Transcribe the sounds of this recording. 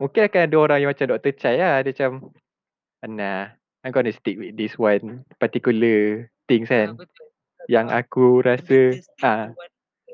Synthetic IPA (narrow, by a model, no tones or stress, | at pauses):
mũŋkinakanadəoɾaŋjaŋmat͡ʃamdɔʔt̪ət͡ʃajadəmat͡ʃam | ana | ajɡɔnəst̪ik̚wit̪̚diswanpat̪ikulət̪ɪŋsan | jaŋʔa̰kuɾasəʔã